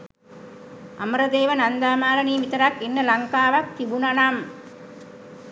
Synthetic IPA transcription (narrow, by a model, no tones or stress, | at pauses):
ʔɐmɾɐd̪eːʋɐnɐnd̪aːmaːlɐniːmit̪ɐɾakenːɐlɐŋkaːʋɐkːiʋunɐnaːm